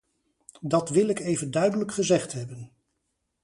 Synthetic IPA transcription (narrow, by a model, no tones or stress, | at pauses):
dɑtʋɪlˠɪkejvəndœɥdələkχəzɛχtɦɛbən